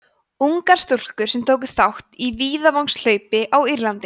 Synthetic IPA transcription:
uŋkaɾ̥st̪ʊl̥kʏɾ̥sɛmt̪ʰoːwk̬ʏ̥θawht̪iviːðavawŋsl̥œːɥpɪʔawiɾlant̪ɪ

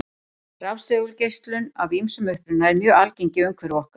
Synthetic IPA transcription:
rawst̪œɣʏlcejst̪lʏnavimsʏmœhpɾʏnaɛɾmjœːalceɲcɪœɥŋkʰvɛɾvɔhkḁ

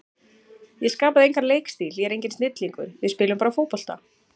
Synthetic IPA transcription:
jɛskaːpaðɪejŋkaɾleːjkst̪iljɛɛɾejɲcɪnsnɪt̪liŋkʏ̰ɾ̥vɪðspɪːlʏmpaːɾafoːwpɔl̥t̪a̰

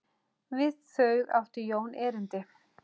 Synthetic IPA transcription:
vɪðθœɥɣða̰ft̪ʏjoːwnɛːɾɪnt̪ɪ

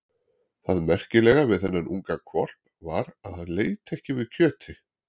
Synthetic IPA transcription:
θaðmɛr̥cɪlɛɣavɪðθɛnːanʔṵŋkakʰvɔr̥p | vaɾaðhanleːjt̪ʰɛhcɪvɪðcʰœːt̪ʰɪ

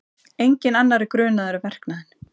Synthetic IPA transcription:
ejɲcɪnanːaɾɪkɾœːnaðʏɾʏvɛr̥knaðɪn

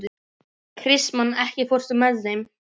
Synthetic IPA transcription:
kʰɾɪsmanɛhcɪfɔr̥sʏmɛðːejm

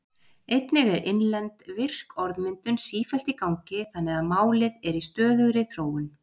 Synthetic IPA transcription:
ejt̪nɪɣɛɾɪnlɛnt̪vɪr̥kɔɾðmɪnt̪ʏnsiːfɛlt̪ikawŋcɪθanːɛðaðmaːwlɪðɛɾist̪œːðʏɣɾɪθɾoːwɪn

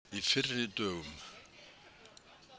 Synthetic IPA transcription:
ifɪrːɪt̪œːɣʏm

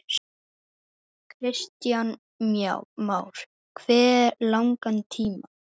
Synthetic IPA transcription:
kʰɾɪst̪jan | mja̰wmaːwɾ̥ | kʰvɛːɛlawŋkant̪ʰiːma

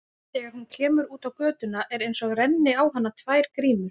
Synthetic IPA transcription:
θɛːɣaɾ̥huncʰɛːmʏɾuːt̪awkœːt̪ʏnaʔɛɾejnsɔɣrɛnːɪawɦanːat̪ʰvaːjɾ̥kɾiːnʏ

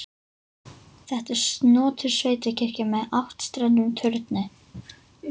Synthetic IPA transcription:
θɛht̪ɛɾ̥st̪nɔːt̪ʰʏɾ̥sveːjt̪ɪcʰɪr̥cɪmɛðawht̪st̪ɾɛnːʏmt̪ʰœɾt̪nɪ

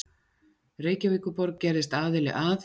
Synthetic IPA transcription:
reːjcavɪːkʏpɔɾk̚cɛɾðɪst̪aːðɪlɪ̰ʔaːθ

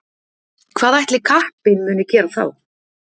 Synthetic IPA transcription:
kʰv̥aːðajht̪lɪkʰahpɪnmʏːnʏcɛːɾaθa̰w

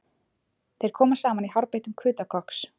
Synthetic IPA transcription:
θejɾ̥kʰɔːmasaːmaniɦaɾpejht̪ʏmkʰʏːt̪akʰɔhks

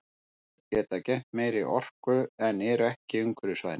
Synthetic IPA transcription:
cɛːt̪acɛm̥t̪meːjɾiʔɔr̥kʏɛnɛːɾɛhcɪʏŋkvʏɾʏsva̰ːðnɪ

